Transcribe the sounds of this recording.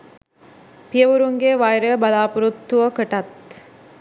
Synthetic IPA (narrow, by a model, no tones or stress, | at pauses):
pijəʋuɾuŋɡeʋajɾəəbalaːpuɾut̪ːuʋəkəʈat̪